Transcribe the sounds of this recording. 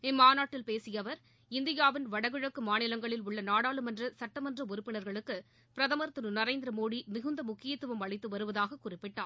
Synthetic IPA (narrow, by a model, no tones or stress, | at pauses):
ɪmːaːnaːʈːɪlpeːsɪjɐʋɐɾ | ɪnd̪ɪjaːʋɪnʋɐɽɐɣɯɻɐkːɯmaːnɪlɐŋɡɐɭɪlʊɭːɐnaːɽaːlɯmɛndrɐsɐʈːɐmɐndrɐʊɾɯpːɪɳɐɾɣɐɭɯkːɯ | pɪɾɐðɐmɐɾt̪ːɯnɯnɐɾeːnd̪ɪɾɐmoːɽimɪɣɯnd̪ɐmʊkːɪjɐt̪ːɯʋɐmɐɭɐɪt̪ːɯʋɐɾɯʋɐðaːɣɐkːʊrɪpːɪʈːa̰ː